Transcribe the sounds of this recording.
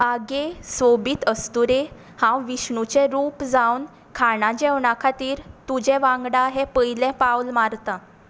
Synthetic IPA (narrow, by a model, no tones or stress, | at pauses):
aɡesʋobiːt̪əst̪uɾe | hãwʋiɕɳut͡ɕẽɾuːpd͡zawn | kʰaɽãd͡ʑewɳakʰat̪iːɾt̪ud͡ʑɛ̃ʋãŋɡɽaɦepəjlɛ̃pawlmaɾt̪ã